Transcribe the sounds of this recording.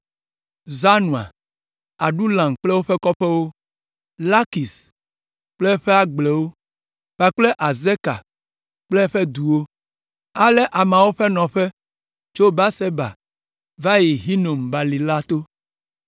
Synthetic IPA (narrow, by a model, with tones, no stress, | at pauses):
za˦nũ˨a̰˨ | a˨ɖu˦lã˨ŋ˨k͡plɛ˦wo˦ɸɛ˦kɔ˦ɸɛ˦wo˦ | la˦ki˨s | k͡plɛ˦ɸe˦a˦ɡ͡ble˨wo˦ | ɸa˨k͡ple˦ʔa˨ze˦ka̰˨ | k͡ple˦ɸe˦d̪u˨wo˦ | a˦lɛ˦ʔa˨mã˨wo˦ɸe˦nɔ̃˨ɸɛ˦ | t͡ʃo˦ba˦se˦ba̰˨ | va˦ji˨ɦi˦no˨mba˨li˨la˦t̪o˦